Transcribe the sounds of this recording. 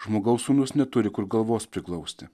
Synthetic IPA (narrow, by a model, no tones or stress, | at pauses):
ʒ̥moːɡɐʊsuːnʊsnʲɛt̪ʊɾʲɪkʊɾɡɐlˠʋoːspʲɾʲɪklˠɐʊsʲt̪ʲɪ